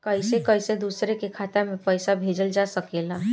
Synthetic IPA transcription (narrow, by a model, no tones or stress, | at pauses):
kəɪsekəɪsed̪uːsɾekekʰaːt̪amẽpəɪsabʱeːd͡ʒəld͡ʒaːsəkeːlaː